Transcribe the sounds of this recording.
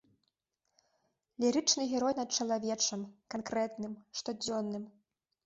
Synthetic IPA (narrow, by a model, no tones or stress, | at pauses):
lʲiɾɨt͡ʂnɨɣʲɛɾɔjnɐt̪̚t͡ʂɐlˠavʲɛt͡ʂɐmkankɾɛt̪nɨmʂt̪ɔd͡zʲɔnːɨm